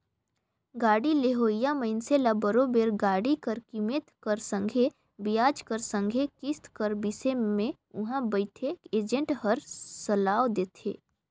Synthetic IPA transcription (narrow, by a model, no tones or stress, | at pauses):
ɡaːɽileɦoːjaməɪnselabəɾobeːɾɡaːɽikəɾkimeːt̪kəɾsə̃ŋɡʱe | bijaːd͡ʒkəɾsə̃ŋɡʱekɪst̪kəɾbɪsemẽ | ʊɦãbəɪt̪ʰeːkeːd͡ʒə̃ɳʈɦəɾsəlaːwd̪eːt̪ʰḛː